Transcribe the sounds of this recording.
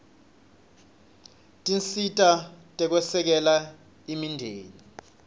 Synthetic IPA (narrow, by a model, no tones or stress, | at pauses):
tʼinsitʼatʼɛk̬wɛsɛk̬ɛla | imindʱeːni